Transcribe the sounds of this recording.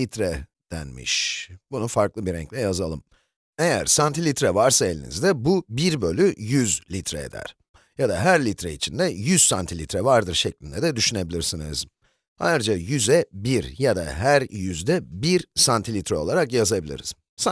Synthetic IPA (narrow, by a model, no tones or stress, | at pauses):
it̪ɾɛ | d̪̥æ̰nmḭʃbunufaɾklˠɯbiɾɛ̰ɲclʲɛjazalˠɯm | e̞jæ̰ɾsant̪ʰilʲit̪ɾɛvaɾsaelʲinḭzd̪ɛbubiɾbø̞lʲyjyzlʲit̪ʰɾɛed̪æ̰ɾ̥ | jad̪aɦæɾlʲit̪ɾɛit͡ʃʰind̪ɛjyz̥sant̪ʰilʲit̪ʰɾɛvaɾd̪ɯɾʃɛclʲind̪ɛd̪ɛd̪yʃyne̞bilʲiɾsinɯ̰z̥ | a̰jɯɾd͡ʒajyzɛbiɾjad̪a̰ɦæɾjyzd̪ɛbiɾsant̪ʰilʲit̪ɾɛo̞lˠaɾakjazabilʲḭɾiz̥ | sa